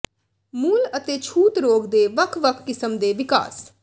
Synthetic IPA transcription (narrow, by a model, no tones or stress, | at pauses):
muːlət̪eːt͡ʃʰuːt̪ɾoːɡd̪eːʋəkʰʋəkʰkɪsəmd̪eːʋɪka̰ːs